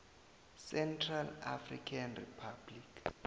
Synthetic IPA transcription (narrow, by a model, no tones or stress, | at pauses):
sɛntʰralafrikʰanripʰablikʰ